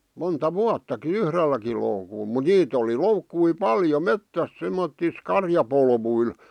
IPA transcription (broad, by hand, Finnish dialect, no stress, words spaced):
montɑ ʋuɑtːɑki yhrelːæki loukul mu niːt oli loukːui pɑljo metːæs semːotːis kɑrjɑpolʋuil